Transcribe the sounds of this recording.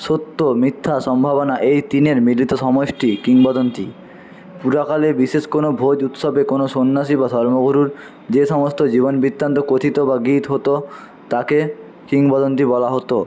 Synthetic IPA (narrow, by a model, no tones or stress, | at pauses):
ʃot̪ːomit̪ʰːaʃɔmbʱaβonaʔejt̪ineɾmilːit̪oʃɔmoʃʈikiŋbɔd̪ont̪i | puɾakalebiʃeʃkonobʱod͡ʑut̪ʃɔbekonoʃonːaʃibad̪ʱɔɾmoɡuɾuɾ | d͡ʑeʃɔmost̪od͡ʑiβonbit̪ːɾant̪okot̪ʰit̪obaɡit̪ɦot̪o | t̪ake | kiŋbɔd̪ont̪̬ibɔlaɦot̪o